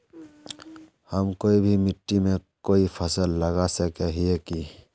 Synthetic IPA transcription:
həmkoːibʱimɪʈːimẽkoːipʰəsəlːəɡasekeɦieki

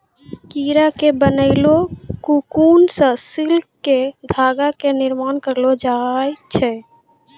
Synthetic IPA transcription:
kiɾakebənəɪlokukunsə̃silkːed̪ʱaːɡakeniɾmankəɾlod͡ʒajt͡ʃʰɛ

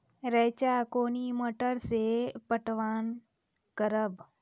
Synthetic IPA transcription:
ɾɛːt͡ʃakoːniməʈəɾsepəʈʋaːn | kəɾəb

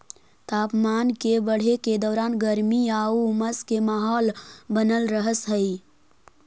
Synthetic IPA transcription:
t̪apmaːnkebəɽ̤eked̪ɔːɾanɡəɾmiauməskemaɦɔːlbənəlɾəɦəsɦəi

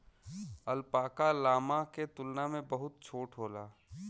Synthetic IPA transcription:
əlpaːkalaːmaket̪ʊlnamẽbɐɦʊt̪̚t͡ʃʰoːʈɦoːlaː

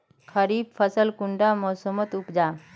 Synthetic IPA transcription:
kʰəɾiːb̚fʰəsəlkuɳɖamɔːsəmət̪upd͡ʒaː

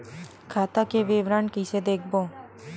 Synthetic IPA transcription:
kʰaːt̪akeʋɪːʋɾaːnkised̪eːkʰbõː

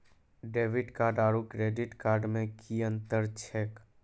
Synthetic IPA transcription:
ɖeːʋɪɖkaːɾɖaːɾukɾeːɖɪʈkaːɾɖmẽkiə̃nt̪əɾt͡ʃʰeːk

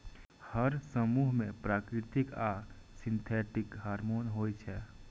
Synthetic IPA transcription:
həɾsəmuɦmẽpɾaːkɾɪt̪ika | sɪ̃nt̪ʰɛːʈɪkɦaːɾmoːnɦoːjt͡ʃʰɛ

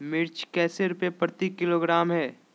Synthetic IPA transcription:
mɪɾt͡ʃkɛːseɾʊpepɾət̪ikɪloːɡɾaːmɦɛː

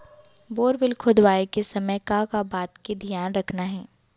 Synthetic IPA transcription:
boːɾʋɪlkʰʊd̪ʋaːekesɐməjkãːkabaːt̪ked̪ʱijaːnɾɐkʰnaɦɛː

